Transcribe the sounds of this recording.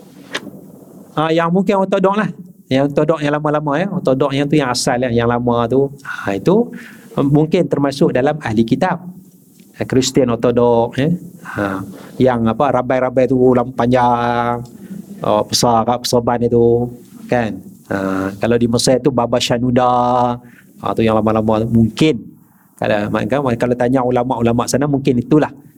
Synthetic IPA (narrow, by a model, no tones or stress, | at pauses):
ajaŋmuŋkɪnɔt̪odɔklahjaŋt̪odɔʔjaŋlamãlamajaot̪odɔʔ̚jaŋt̪ujaŋasalahjaŋlamãt̪uəit̪u | muŋkɪnt̪ərmasʊk̚dalamahlikit̪ap̚ | kɾist̪iənɔt̪odɔk̚jəəjaŋapaɾabajɾabajt̪ulampaɲd͡ʒaŋə̰pəsakapə̥sobanit̪u | kanəkalawdiməsajt̪ubabaʃanuda | a̰t̪ujaŋlamalamamuŋkɪn | ka̰ma̰kakalawt̪aɲaulamaʔulamaʔsanamuŋkɪnit̪ulah